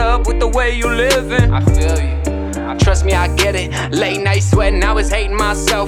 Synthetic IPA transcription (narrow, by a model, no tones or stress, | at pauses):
ʌpwɨðəweɪjə˞lɪvɪ̃ŋaɪfilˠjɨ | aɪtʰɹ̥ʌst̚miaɪɡɛɾɪt̚ | leɪtⁿnaɪswɛ̃naɪwʌz̥heɪɾɪ̃ŋmaɪsɛlˠ